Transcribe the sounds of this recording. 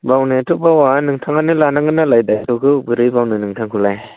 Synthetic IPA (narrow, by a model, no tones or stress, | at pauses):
bawnetʰɔk̚bawanɯŋtʰaŋanɯlanaŋɡɯnalajdajtʰɔkʰɯbɯɾɯjbawnɯnɯŋtʰaŋkʰulaj